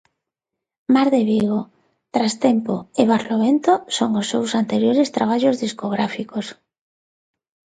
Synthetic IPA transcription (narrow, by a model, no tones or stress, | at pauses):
maɾðeβiɣo | t̪ɾast̪empoeβ̞aɾloβent̪osoŋosːewsant̪eɾjoɾest̪ɾaβ̞aʎozðiskoɣ̞ɾafikos